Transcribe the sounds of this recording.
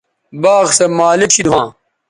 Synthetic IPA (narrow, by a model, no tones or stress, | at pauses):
baːɣsɐmaːlikɕʰid̪uwãː